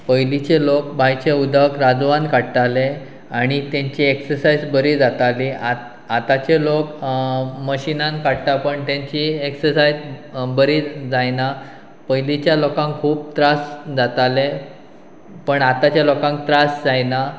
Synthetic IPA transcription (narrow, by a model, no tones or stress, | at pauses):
pəjlit͡ɕelok̚bʱajt͡ɕeud̪ʱəkɾad͡zʋãnkaɽt̪ale | aɽ̃it̪jãɲt͡ɕieksəɾsajd͡zbəɾid͡zat̪aliʔa | at̪at͡ɕelok | məɕinãnkaɽt̪apəɳt̪jãɲt͡ɕieksəɾsajd͡zbəɾid͡zajna | pəjlit͡ɕjalɔkãŋkʰuːb̚t̪ɾasd͡zat̪ale | pəɳat̪at͡ɕjalɔkãŋk̚t̪ɾasd͡zajna